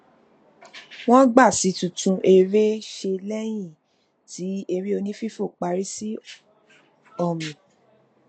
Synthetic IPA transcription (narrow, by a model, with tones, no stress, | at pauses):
w̃ɔ̃˦ɡ͡ba˦˨si˨˦tũ˨tũ˨˧ʔe˧ɾe˦ʃe˧lɛ˦j̃ĩ˦˨ | ti˨˦e˧ɾi˦o˧nĩ˦fi˦fo˦˨k͡pa˨˦ɾi˦si˦ | ɔ˦˨mĩ˨